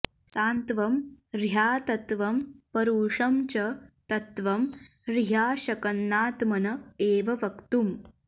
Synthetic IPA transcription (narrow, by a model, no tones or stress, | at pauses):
saːnt̪ʋɐmɾjaːt̪ɐt̪ʋɐmpɐɾuːʂɐmt͡ʃɐt̪ɐt̪ʋɐm | ɾɦaːʃɐkɐnːaːt̪mɐnɐeːʋɐʋɐkt̪um